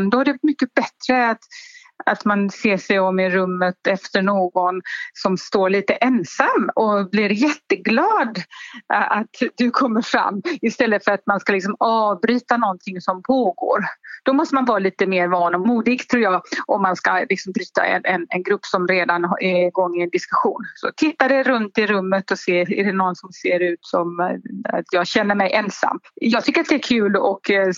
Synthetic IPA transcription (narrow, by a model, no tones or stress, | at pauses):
d̪ɔhaɖɛvatmʏkːəbɛt̪ɾəat̪ | at̪manseːʂɛjɔmːɪɾɵmːət̪ɛft̪əɳoːɡɔnsɔmst̪oːɭiːt̪əʔɛnsamːɔblɪɾjɛt̪ːəɡlɑːd̪ | at̪d̪ɵkʰɔmːəɾfɾa̰mːɪst̪ɛlːəfœɾat̪manskalɪksɔmɑːvbɾyːt̪anɔnt̪ʰɪŋsɔmpʰoːɡo̰ːɾd̪̥ɔmɔst̪əmanvɑːɾaliːt̪əmeːɾvɑːnɔmuːd̪ɪɡt̪ʰɾuːjɑːʔɔmːanskalɪksɔmbɾyːt̪a̰ɛ̰nɛnɛnɡɾɵpːsɔmɾeːd̪anɛɡɔŋːɪɛnd̪ɪskɵɧuːnsɔt̪ʰɪt̪ːad̪ɛɾɵnt̪ɪɾɵmːət̪ɔseːɛdɛnɔnsɔmseːɾʉ̟ːt̪sɔma̰t̪ʰjɑːɡɕɛnːəɾmɛjʔɛnsa̰mːjɑːɡt̪ʰʏkːəɾat̪̚d̪ɛæɾkʰʉ̟ːlɔk